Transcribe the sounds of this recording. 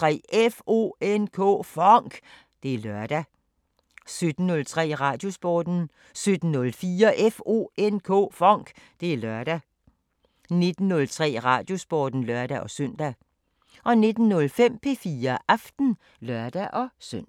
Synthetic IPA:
t͡sʁɛ̰efo̝̰enkʰɔ̰ːfɒŋ̰ɡ̥ | d̥e̝æɐlɶɐ̰d̥æ | sød̥n̩ːɔ̽lt͡sʰʁɛ̰ːʁɑ̈ːd̥jo̝sb̥ɒːd̥n̩ | sød̥n̩nɔlfiːɐʔefo̝̰enkʰɔ̰ːfɒ̽ŋ̰ɡ̥d̥e̝æɐlɶɐd̥æ | ne̝d̥n̩ːɔ̽lt͡sʰʁɛ̰ːʁɑ̈d̥jo̝sb̥ɒːd̥n̩lɶɐd̥æʔɒ̽søn̰d̥æ | ʔɒ̽ne̝d̥n̩ːɔ̽lfem̰pʰe̝fiːɐʔɑfd̥n̩ | lɶɐd̥æʔɒ̽søn̰

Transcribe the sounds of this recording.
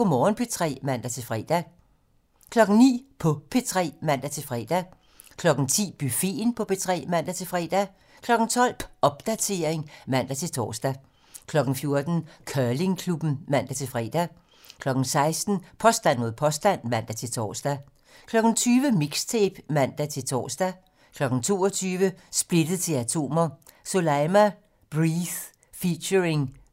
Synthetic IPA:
omɒːnpʰet͡sʰʁɛ̰ːmæn̰d̥æt͡sʰe̝lfʁɛ̰ːd̥æ | kʰlɒ̽ɡ̥n̩nḭːpʰɒ̽pʰe̝t͡sʰʁɛ̰ːmæn̰d̥æt͡sʰe̝lfʁɛ̰ːd̥æ | kʰlɒ̽ɡ̥n̩t͡sʰḭːb̥yfe̝̰ːnpʰɒ̽pʰe̝t͡sʰʁɛ̰ːmæn̰d̥æt͡sʰe̝lfʁɛ̰ːd̥æ | kʰlɒ̽ɡ̥n̩t͡sʰɒ̽l̰pɒ̽b̥̚d̥æt͡sʰe̝ɐeŋmæn̰d̥æt͡sʰe̝lt͡sʰɒ̰ːsd̥æ | kʰlɒ̽ɡ̥n̩fjo̝ɐd̥n̩kʰɶːle̝ŋkʰlub̥n̩mæn̰d̥æt͡sʰe̝lfʁɛ̰ːd̥æ | kʰlɒ̽ɡ̥n̩sɑ̈ɪsd̥n̩pʰɒ̽sd̥æn̰mo̝ð̰ˠpʰɒ̽sd̥æn̰mæn̰d̥æt͡sʰe̝lt͡sʰɒ̰ːsd̥æ | kʰlɒ̽ɡ̥n̩t͡sʰyːʋəmiɡ̥st͡sʰeb̥mæn̰d̥æt͡sʰe̝lt͡sʰɒ̰ːsd̥æ | kʰlɒ̽ɡ̥n̩t͡sʰo̝ːɒt͡sʰyːʋəsb̥le̝d̥əð̩ˠt͡sʰe̝læt͡sʰo̝̰ːmɐ | so̝læmæ | b̥ʁiθ | fiɕəeŋ

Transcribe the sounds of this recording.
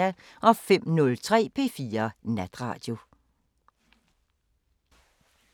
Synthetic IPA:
æ | ʔɒ̽fem̰nɔ̽lt͡sʰʁɛ̰ːpʰe̝̰ːfiːɐnæd̥ʁɑ̈ːd̥jo̝

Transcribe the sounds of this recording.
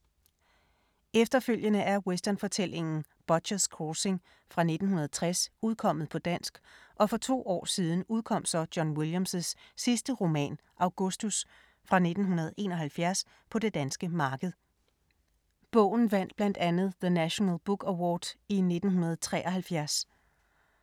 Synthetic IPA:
efd̥ɐføl̰jənəʔæɐwesd̥ɐnfɒ̽t͡sʰel̰e̝ŋn̩ | b̥ɒ̥ɕɐskʰɒse̝ŋ | fʁɑ̈ne̝d̥n̩hunɐð̞̩ˠt͡sʰʁasuð̞ˠkʰɒ̽m̰ð̞̩ˠpʰɒ̽d̥æn̰sɡ̥ʔɒ̽fɒ̽t͡sʰo̝̰ːɒ̰ːsiːð̞ˠn̩uð̞ˠkʰɒ̽m̰sɒ̽d̥jɒnwiljæmssːisd̥əʁo̝mɛ̰ːn | ʔɑ̈ʊɡ̥ɔsd̥us | fʁɑ̈ne̝d̥n̩ɦunɐð̞̩ˠʔe̝̰ːnɒ̽ɦælfjæɐs | pʰɒ̽de̝d̥ænsɡ̥əmɑ̈ːɡ̥əð̞̩ˠ | b̥ɔ̰̽ːʊn̩ʋæn̰d̥̚b̥læn̰d̥ænð̞̩ˠðənæɕo̝nælˠb̥uɡ̥æwɒːd̥ine̝d̥n̩ɦunɐð̞̩ˠt͡sʰʁɛ̰ːʔɐɦælfjæɐs

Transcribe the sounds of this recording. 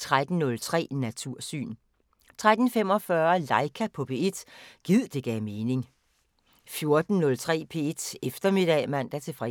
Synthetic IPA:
t͡sʰʁad̥n̩nɔ̽lt͡sʰʁɛ̰ːnæt͡sʰuɐ̰sy̰ːn | t͡sʰʁad̥n̩fem̰ɒ̽fɶɐlɑ̈ɪkʰæpʰɒ̽pʰe̝e̝d̥ɡ̥ið̰ˠd̥e̝ɡ̥ɛːme̝ːne̝ŋ | fjo̝ɐd̥n̩nɔ̽lt͡sʰʁɛ̰ːpʰe̝e̝d̥efd̥ɐme̝d̥ɛmæn̰d̥æt͡sʰe̝fʁɛ

